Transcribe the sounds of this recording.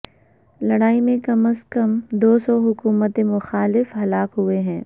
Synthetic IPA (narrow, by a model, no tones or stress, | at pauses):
lɐɽaːimẽkɐməskəmd̪oːsɔɦʊkuːmət̪ẽmʊxaːlɪfɦɐlaːkɦʊeɦɛ̃ː